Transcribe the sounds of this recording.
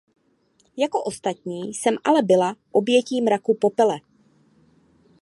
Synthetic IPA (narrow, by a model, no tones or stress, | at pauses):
jako̞ʔo̞st̪at̪ɲiːsɛmʔalɛbɪlaʔo̞bjɛciːmɾakupopɛlɛ